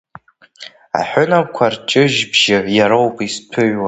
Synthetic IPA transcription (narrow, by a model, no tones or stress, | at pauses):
a̰ħʷʊnakʷʰart͡ʃʼɨʒbʒ̥ɪjaɾowpʼispʰɨɥwa